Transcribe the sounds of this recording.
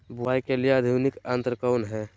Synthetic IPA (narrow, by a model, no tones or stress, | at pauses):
buaːikelijeəd̪ʱjunɪkənt̪ɾəkəːnɦɛ̃ː